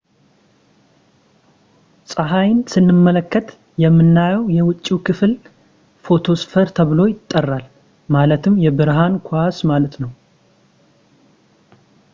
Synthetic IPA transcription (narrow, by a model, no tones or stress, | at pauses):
sʼaɦajnsɨnːɨmːələkːət̪ | jɛmːɨnːajɛwjɛwʊt͡ʃʼːikʰɨfl | fo̞t̪ʰo̞sfəɾt̪ʰəβlo̞jɪt̪ʼːərːal | malət̪ʰɨmːjɛbɨɾɦankʰasmalət̪nəw